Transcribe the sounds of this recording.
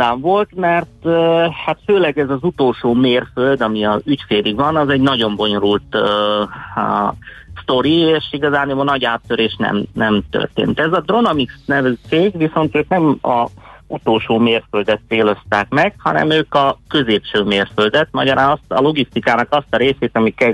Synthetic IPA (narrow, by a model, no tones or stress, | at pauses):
aːɱvo̞lt̪mɛrt̪hat̪føːlɛɡɛzɒzut̪oːlʃoːmeːrføld̪ɒmiɒzycfeːɾiɡvɒnɒzɛɟnɒɟo̞mbo̞ɲo̞ɾult̪ | st̪o̞ɾieːʃiɡɒzaːnmːnɒɟaːt̪ːøɾeːʃnɛ̰mnɛmt̪ø̰rt̪ḛːnt̪ɛzɒd̪ro̞nɒmiksnɛvɛzt͡ʃeːɡʋiso̞nt̪øːknɛmɒ̰ut̪oːlʃoːmeːrføld̪ɛt̪seːlo̞st̪aːkmɛɡhɒ̰nɛ̰møːkɒkø̞zeːpʃøːmeːrfø̞ld̪ɛt̪mɒɟɒɾaːnɒst̪ɒ̰lo̞ɡist̪ikaːnɒkɒst̪ɒɾeːseːt̪ɒmikɛ